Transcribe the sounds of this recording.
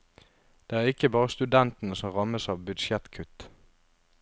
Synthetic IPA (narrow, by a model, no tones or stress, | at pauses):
d̪̥eːæːʁɪkəbɑːʁəst̪ʉd̪ɛnt̪n̩əsɔmʁɑməsɑːʋbʏd̪ʃjɛt̪kʰʉt̪